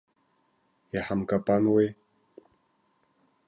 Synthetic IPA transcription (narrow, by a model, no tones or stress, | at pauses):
jaħamkʼapʼanwe